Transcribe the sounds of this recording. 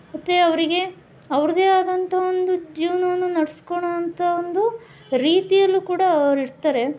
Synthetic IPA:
mɐt̪ːe̞ɐʋɐɾiɡe̞ | ɐʋɾud̪e̞aːd̪ɐnt̪ʰɐo̞nd̪ud͡ʒiːʋɐnɐʋɐnːunɐɽesko̞ɳoɐnt̪ʰaond̪u | ɾiːt̪ijɐlːukuːɽɐɾiɾt̪aːɾe̞

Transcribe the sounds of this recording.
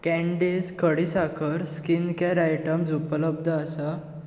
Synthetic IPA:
kɛ̃ɳɖiskʰəɽisakʰəɾskinkaɾajʈəmd͡zupələb̚d̪ʱəasa

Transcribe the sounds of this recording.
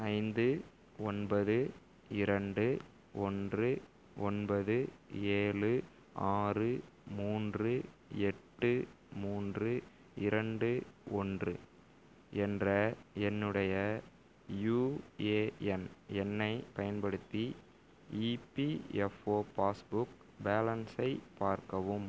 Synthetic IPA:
ɐɪnd̪ɯ | ɔnbɐðɯ | ɪɾɐɳɖɯ | ɔndrɯ | ɔnbɐðɯeːɭɯ | aːrɯmuːndrɯɛʈːɯ | muːndrɯ | ɪɾɐɳɖɯɔndrɯ | ɛndrɐɛnːɯɽɐjɐ | juːeːɛnɛnːɐɪpɐjɐnpɐɽɯt̪ːi | iːpiɛfoːpaːsbʊk | baːlɐnsɐɪpaːɾkɐʋɯm

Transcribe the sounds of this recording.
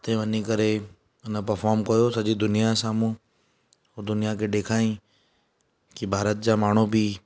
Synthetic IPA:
t̪ẽʋɐnikɐɾe | ɪnəpɐɾfɔːɾmkɐjosɐd͡ʑid̪ʊnijasaːmũ | oɾd̪ʊnijakʰeːɗeːkʰaːĩ | kibʱaːɾət̪̚d͡ʑaːmaːɳ̤ubʱi

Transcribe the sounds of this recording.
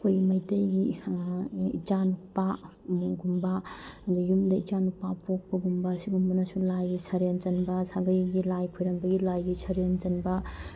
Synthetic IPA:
kʰojɡimɐjtɐjɡi | ḭt͡ʃanupa | muɡumbɐdujumdɐit͡ʃanupapʰok̚pɐɡumbɐːsiɡumbunɐsulajɡisɐɾent͡ʃɐnbɐsaɡɐjɡilajkʰojɾɐnbɐɡilajɡisʰɐɾent͡ʃɐnbɐ

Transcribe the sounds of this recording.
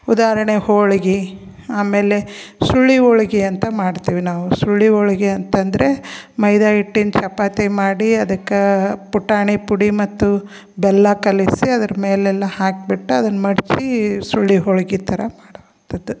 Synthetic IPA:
ud̪aːɾɐɳehoːɭiɡi | aːme̞ːlesuɭːioɭɐɡiɐnt̪ɐmaːɽt̪iːʋinaːʋusuɭːioɭɐɡiɐnt̪ɐnd̪ɐɾe̞mɐjd̪aːiʈːint͡ʃɐpaːt̪emaːɽiɐd̪ɐkːepuʈːaːɳipuɽimɐt̪ːu | bɛlːɐkɐlisiɐd̪ɐɾɐmeːlɛlːɐhaːk̚biʈːuɐd̪ɐnːɐmɐɽt͡ʃisuɭːiɦoɭɡit̪ʰɐɾɐmaːɽʋɐnt̪ɐd̪u

